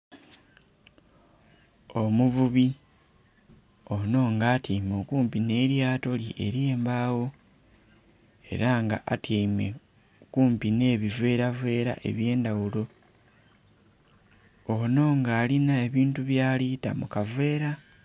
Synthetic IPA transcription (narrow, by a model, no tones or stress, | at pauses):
o̞muvuβi | o̞no̞ŋɡaːtimo̞kuːmpine̞ːɾjaːto̞lḭʔe̞̰ɾjeːmbawo̞ | e̞̰ɾaŋɡa̰ʔatame | okuːmpine̞ːβivwe̞ːɾave̞ːɾa̰ʔe̞̰βje̞ːndawulo̞ | ono̞ːŋɡaːlinae̞βiːntuβjaːlita̰mukavwe̞ːɾa